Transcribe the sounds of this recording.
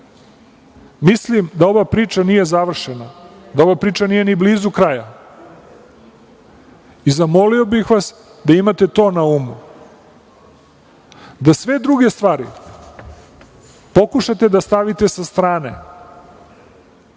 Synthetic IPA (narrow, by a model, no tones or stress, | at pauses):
mislimd̪ao̞ʋapɾiːt͡ʃanije̞zaʋr̩ʃenad̪ao̞ʋapɾiːt͡ʃanije̞nibliːzukɾaja | izamo̞liobixʋas | d̪aimat̪e̞t̪o̞ːnaumu | d̪asʋe̞d̪ɾuɡe̞st̪ʋaːɾi | po̞kuʃat̪e̞d̪ast̪aʋit̪esast̪ɾaːnḛ